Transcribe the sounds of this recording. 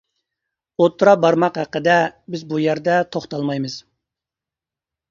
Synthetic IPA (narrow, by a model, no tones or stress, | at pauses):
ot̪ʰːɾɑbɑɾmɑqhæqəd̪ɛbɪzbujæɾd̪ɛt̪ʰoχt̪ɑlˠmɑjmɨz̥